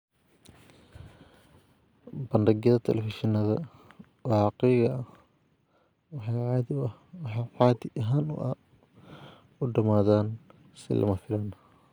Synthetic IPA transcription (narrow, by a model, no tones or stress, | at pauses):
bɐnɖɐɣjɐðɐt̪ʰɛ̰lɛfɪʃɪnɐðɐ | wɑqɛjɣɐɐ | wɑħɑjʕɑːðɪ | wɑħɑjʕɑːðɪʔɐɦaːnʊ̰ʔɐ | ʊɖɐmaːðaːn | sɪ̰lʔɐ̰mɐfɪlaːn